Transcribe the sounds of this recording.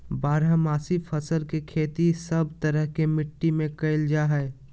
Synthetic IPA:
baːɾamaːsipʰəsəlkekʰeːt̪isəbt̪əɾəɦkemɪʈːimẽkɐɪld͡ʒaːɦɛɛ

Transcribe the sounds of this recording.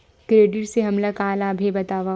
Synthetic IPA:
kɾeːɖɪʈseɦɐmlakaːlaːbʱebɐt̪aːʋa

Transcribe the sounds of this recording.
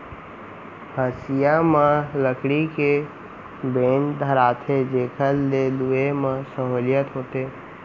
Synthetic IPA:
həsijamẽləkɽike | bend̪ʱəɾat̪ʰed͡ʒekʰəlːeluemẽsəɦoljət̪ɦoːt̪eː

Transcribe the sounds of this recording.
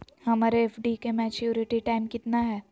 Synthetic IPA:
hɐmaːɾeɛfɖikemɛːt͡ʃjuːɾɪʈiʈaːɪmkɪt̪naɦɛː

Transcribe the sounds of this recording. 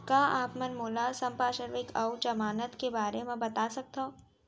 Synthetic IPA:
kaːʔaːpmɐnmoːlasɐ̃mpaːʃəɾʋɪkʰɐwd͡ʒɐmaːnət̪kebaːɾemẽbɐt̪aːsɐk̚t̪oː

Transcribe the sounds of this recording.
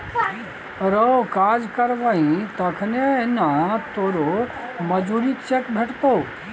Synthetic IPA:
ɾokaːd͡ʒkəɾʋaɦĩt̪ɐkʰneɪnãt̪oːɾo | mɐd͡ʒuɾit͡ʃekbʱeʈt̪oː

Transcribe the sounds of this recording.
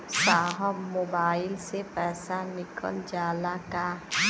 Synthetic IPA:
saɦɔpmobailsepasanikʰɔ̰ld͡ʒalaka

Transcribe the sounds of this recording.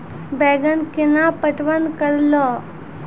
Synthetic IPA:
bɛɡənkinapəʈʋənkəɾlɔ

